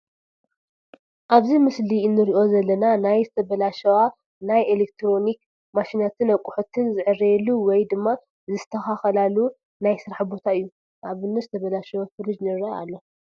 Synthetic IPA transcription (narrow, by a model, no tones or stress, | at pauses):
ʔaβzimɨsliɨnːɨɾiʔo̞zɐlːɐnanajzɨt̪ʰɐβɐlaʃɐwa | najelek̚t̪ʰɾo̞nik | maʃinat̪ʰɨnɐkʼːʊħut̪ʰɨnzɨʕɨɾɐjɛlːuwɔjd̪ɨmːa | zɨst̪ʰɐxaxɐlalu | najsɨɾaħbo̞t̪ʰaɨjːu | ʔaβɨnːɨzɨt̪ʰɐβɐlaʃɐwafɨlɨd͡ʒnɨɾɐa̰lːo̞